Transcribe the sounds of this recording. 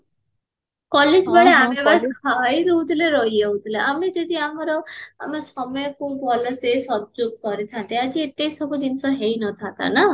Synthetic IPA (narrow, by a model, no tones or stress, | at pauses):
kɔled͡ʒbaɽeamebaskʰaɦjɾeut̪ʰileɾɔɦjeut̪ʰileʔamed͡ʒed̪iamɔɾɔa̰mesɔmɔjɔkũbɔlɔsesɔb̚d͡ʒuɡ̚ʱkɔɾit̪ʰãnt̪ead͡ʒiet̪esɔbʱud͡ʒinsɔɦejnɔt̪ʰãt̪a̰na